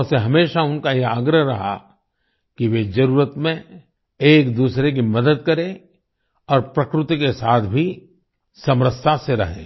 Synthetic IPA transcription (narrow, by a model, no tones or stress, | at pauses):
seɦɐmeːʃaʊnkajeaːɡɾəɦɾɐɦa̰ | kiʋed͡ʒɐɾuːɾət̪mẽ | eːkd̪uːsɾek̬imɐd̪əd̪̚kɐɾẽ | ɔːɾpɾɐkɾʊt̪ikesaːt̪ʰbʱi | sɐmɾəst̪ʰaseɾɐ̰ɦḛ̃ː